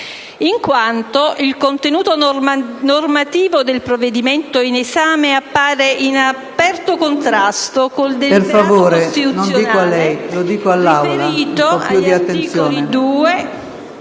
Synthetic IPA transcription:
iŋkwant̪oʔilkont̪enuːt̪onormat̪iːvod̪elpɾoved̪iment̪oinesaːmeapːaːɾeʔinapɛrt̪okont̪ɾast̪okold̪eperffavvoːɾest̪it̪unosnjd̪iːkoalːɛjlod̪iːkoalːawlaiːt̪oɔajuiatt̪ːeniːsjoːlied̪uːe

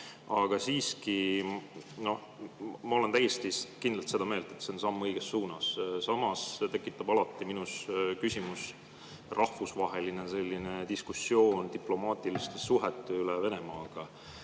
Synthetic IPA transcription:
ɑɡ̥ɑsiːski | no̞h | mɑo̞le̞nt̪æjest̪ikind̪lɑlt̪se̞d̪ɑme̞ːld̪̥et̪seonsɑmːɤjɡ̥e̞sːuːnɑssɑmɑst̪e̞kːˑit̪ːˑɑb̥ɑlɑt̪ˑːiminuskysʲimus | rʔɑhfusvɑɦe̞line̞se̞lʲːine̞t̪iskusːio̞ːnt̪iplo̞mɑːt̪ˑilist̪esuɦet̪ːˑeylɛve̞ne̞mɑːɡ̥ɑ

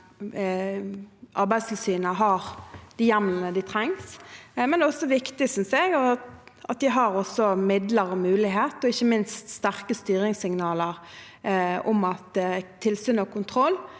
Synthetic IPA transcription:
ʔɑɾbæɪst̪ʰɪlsyːnəɦɑɾd̪̥ɪjæmlənəd̪ɪt̪ʰɾɛŋsmɛnɛɔsːɔʋɪkt̪ɪsʏnsɛɡɔʔɑt̪̚d̪ɪɦɑɾɔsɔmɪd̪ləɾɔmʉːlɪɦeːt̪ɔɪçːəmɪnst̪st̪æʁkəst̪yːɾɪŋsɪŋnɑːləʁ | ʊmɑt̪t̪ʰːɪlsyːnɔkʰʊnt̪ʰɾɔlː

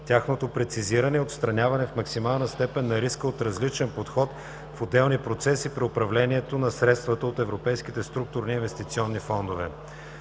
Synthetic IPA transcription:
t̪ʲaxnot̪opɾɛt̪siziɾənɛot̪st̪ɾɐnʲavɐnɛfmɐksimalˠnɐst̪ɛpɛnːɐɾiskəot̪ɾɐzlit͡ʃɛnpot̪xɔt̪ | fod̪ɛlˠnipɾot̪sɛsipɾiopɾɐvlɛniɛt̪onɐsɾɛt̪st̪vət̪əot̪ɛvɾopɛjskit̪ɛst̪ɾuk̚t̪ʊɾniːnvɛst̪it̪siɔnːifɔnd̪ovɛ̰

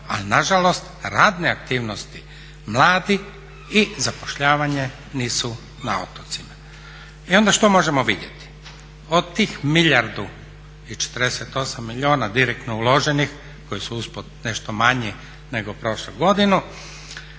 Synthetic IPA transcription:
a̰linaʒalo̞st̪ɾaːd̪neak̚t̪iːʋnost̪i̥ | mlˠaːd̪i | izapo̥ʃʎaːʋaɲe̞ | niːsu | na̰o̰t̪ot̪sima | io̞nd̪aʃt̪o̞mo̞ʒe̞moʋid̪jet̪i̥ | od̪t̪iːxmiʎaɾd̪u | it͡ʃe̥t̪əɾd̪eset̪o̞samːiʎoːnad̪iɾek̚t̪noulo̞ʒenix | ko̞jisuuspod̪neʃt̪omaɲi | neɡopɾo̞ʃluɡo̞d̪inu

